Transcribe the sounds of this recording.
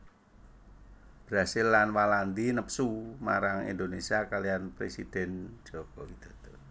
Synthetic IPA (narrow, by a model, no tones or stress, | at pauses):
b̥ɾasɪlːanwaland̪inəpsuma̰ɾaŋḭnd̪onesiakalianpɾesid̪̥ɛn̥d͡ʒ̥ɔkowid̪̥a̤t̪ɔ